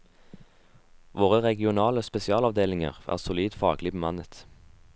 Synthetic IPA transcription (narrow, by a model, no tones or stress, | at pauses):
ʋoːʁəʁɛɡɪʊnɑːləspɛsɪɑːlɑʋd̪eːlɪŋə̰ʁʔæ̰ːʁsʊliːd̪fɑːɡlɪbəmɑnət̪